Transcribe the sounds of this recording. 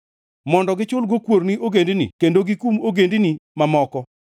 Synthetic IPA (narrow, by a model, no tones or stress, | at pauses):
mɔndɔɡɪt͡ʃʊlɡokwoɾniʔoɡendinḭkendoɡikumoɡendinimamɔkɔ